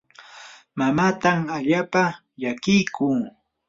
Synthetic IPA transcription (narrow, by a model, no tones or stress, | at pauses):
mamaːt̪amaʎaːpa | ʎakɪjkʊː